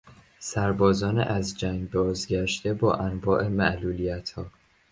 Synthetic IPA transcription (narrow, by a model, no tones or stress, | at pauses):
sæɾbɒːzɒːnḛʔæzd͡ʒæŋɡbɒːzɟæʃt̪e̞bɒːʔænvɒːʔe̞mæʔluːlijæt̪ʰhɒː